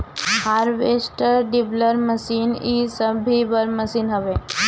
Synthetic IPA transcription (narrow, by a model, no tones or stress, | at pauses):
haɾʋesʈəɾɖibləɾməsiːnisəbʱibəɾməsiːnɦəʋe